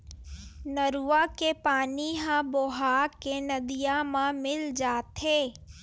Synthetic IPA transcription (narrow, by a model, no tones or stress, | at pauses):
nəɾuakepaːniɦãboɦaːkenɐd̪ijamãmɪld͡ʒaːt̪ʰeː